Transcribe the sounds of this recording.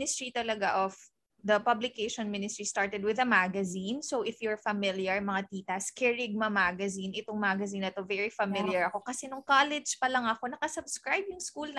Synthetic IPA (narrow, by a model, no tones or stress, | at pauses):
nɪst̪ɹit̪ɐlɐɡaʔof | d̪ɐpɐblɪkeʃɔ̃nmɪnɪst̪ɹist̪aɹt̪ɛd̪wɪðɐmaɡɐzinsowʔɪfjʊɹfɐmɪljɐɹmɐŋat̪iːt̪ɐskɛɹɪɡ̚mɐmaɡɐzinʔɪt̪oŋmaɡɐzĩnːɐt̪o̞vɛɹifɐmɪljɐɹɐko̞kɐsɛnʊŋkalɛd͡ʒpɐlɐŋɐko̞nɐkɐsɐbskɹajbjʊŋskuln